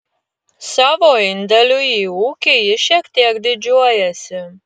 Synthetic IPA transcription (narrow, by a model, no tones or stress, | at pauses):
sɑːʋoːɪnʲd̪ʲɛlʲujiːuːkʲijɪʃʲiɛkt̪ʲiɛkd̪ʲɪd͡ʒʲuɔjɛsʲɪ